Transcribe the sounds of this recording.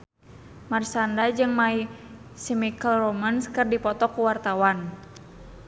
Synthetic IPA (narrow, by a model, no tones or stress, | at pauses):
marsandad͡ʒɨŋmai | simikəlrɔmanskɨrdipɔt̪ɔkuwart̪awan